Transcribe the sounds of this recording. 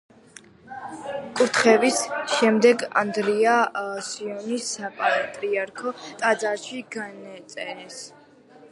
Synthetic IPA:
kʼuɾt̪ʰχɛvisʃɛmd̪ɛɡa̰nd̪ɾiasiɔnisapʼat̪ʼɾiaɾkʰɔt̪ʼad̪zaɾʃiɡanɛt̪sʼɛɾɛs

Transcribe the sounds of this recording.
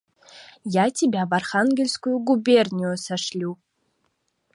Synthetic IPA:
jatʲʰibʲavarχanɡʲelʲskujuɡubʲernʲijusaʂlʲu

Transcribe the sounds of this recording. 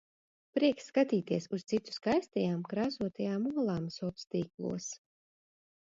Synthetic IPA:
pɾiɛkskat̪iːt̪iɛsust̪it̪u̥skajst̪ɛjaːmkɾaːsuɔt̪ajaːmuɔlˠaːmsɔt̪st̪iːklˠṵɔs

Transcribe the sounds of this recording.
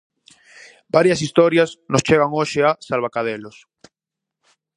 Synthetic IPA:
baɾjasist̪oɾjasnost͡ʃeɣaŋoʃeasalβakaðelos

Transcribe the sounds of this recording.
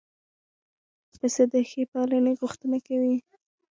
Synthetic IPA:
pəsad̪əxepɑləneɣʊxt̪ənakawi

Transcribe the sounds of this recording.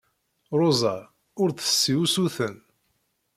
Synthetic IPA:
ɾˤozˤa | ʊɾθə̥sːiwusuθən

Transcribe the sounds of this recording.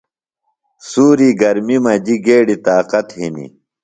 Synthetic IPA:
suːɾiɡɐɾmimɐd͡ʑiɡeːɽit̪aːqɐt̪ɦinḭ

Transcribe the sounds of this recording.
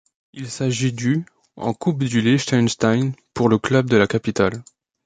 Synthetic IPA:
ilsaʒid̪y | ɑ̰̃kupd̪yleʃt̪anʃt̪ajnpuʁləklœb̚d̪əlakapit̪al

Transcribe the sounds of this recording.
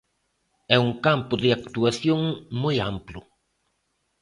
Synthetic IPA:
ɛuŋkampʊðɪakt̪uaθjoŋmojamplʊ

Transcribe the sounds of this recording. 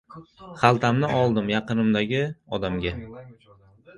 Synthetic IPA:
χalˠt̪ʰamnɪʔɒlˠd̪ɪmjɑqɨnɪmd̪aɡʲɪɒd̪amɡʲa

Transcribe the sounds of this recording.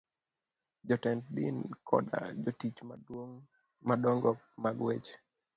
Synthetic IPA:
d͡ʒɔtɛntdḭnkʰɔ̰da̰d͡ʒotit͡ʃ | madɔŋɡɔk̚maɡwet͡ʃ

